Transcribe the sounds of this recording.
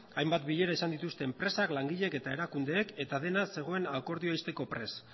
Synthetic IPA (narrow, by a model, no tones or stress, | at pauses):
ajmbat̪biʎe̞ɾaesand̪it̪ust̪e̞ːmpɾe̞saklaŋɡiʎe̞ke̞t̪ae̞ɾakund̪e̞ːke̞t̪aðe̞nase̞ɣ̞o̞e̞nako̞ɾðioajst̪e̞ko̞pɾe̞s